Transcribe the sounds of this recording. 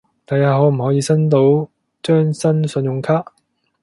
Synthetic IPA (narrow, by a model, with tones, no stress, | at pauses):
t̪a˨jaː˨˥ɦo˨˥m̩˨˩hɔː˨˥jiː˧sɐ˥nt̪̬o˨˧˥w | t͡ʃœː˥ŋsɐ˥nsɵ˨˧njʊ˨˧ŋkʰaː˥ʔ